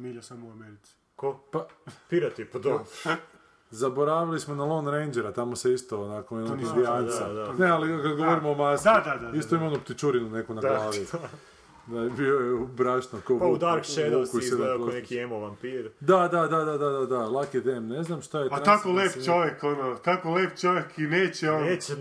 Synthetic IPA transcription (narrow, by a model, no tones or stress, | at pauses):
miʎasamouameɾit̪si̥ | kopapiɾat̪ipod̪o | zaboɾaːʋilismonalonɾend͡ʒeɾat̪amoseist̪oːnakoenaod̪ianad̪anealikad̪ɡoʋoɾimoːmasd̪aaist̪oimonupt̪it͡ʃuɾinunekunaɡlaːʋi | d̪abiojeubɾaʃnokopaud̪aɾkʃed̪kused̪aonekiemoʋampiːɾd̪ad̪ad̪ad̪ad̪ad̪ad̪alˠakid̪eːmneznamʃt̪ajepanat̪akoleːpt͡ʃoʋjekonot̪akoleːp̚t͡ʃoʋjekineːt͡ɕeone